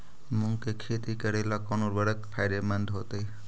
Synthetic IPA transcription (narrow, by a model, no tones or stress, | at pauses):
muŋkekʰet̪ikəɾelakɔnuɾbəɽət̪pʰajɾemənd̪ɦot̪e